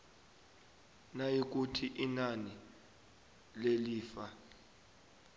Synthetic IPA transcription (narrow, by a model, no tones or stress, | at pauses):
najik̬utʰiʔinani | leliːfa